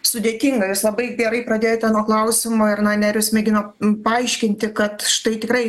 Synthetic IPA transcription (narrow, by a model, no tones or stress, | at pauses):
sʊd̪ʲeːt̪ʲɪːŋɡɐjʊslˠɐbɐɪɡʲɛɾɐɪpɾɐd̪ʲeːjot̪ʲæːnoːklˠɐʊsʲɪmoːɪɾnɐnʲæɾʲjʊsmʲɛɡʲɪnoː | pɐɐɪʃʲkʲɪnʲt̪ʲɪkɐt̪ʃt̪ɐɪt̪ʲɪkɾɐɪ